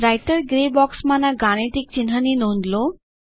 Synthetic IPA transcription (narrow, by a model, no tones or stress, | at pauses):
ɾajʈəɾɡɾebɔksmãnaɡaɽ̃eʈik̚t͡ɕinɦaninond̪lo